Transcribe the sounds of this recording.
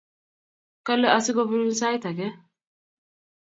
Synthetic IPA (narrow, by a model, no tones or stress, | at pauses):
kɐlːɛɐsɪɡɔbʊɾʊnsaːjt̪ɐɡɛ